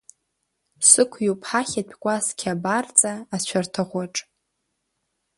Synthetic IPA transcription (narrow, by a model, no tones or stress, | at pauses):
sɨkʷʰjupʰħaχʲatʲʷᶣʰkʷʼaskʲʰabart͡sʼaːt͡ɕʷʰartʰɨʁʷaʈ͡ʂʼ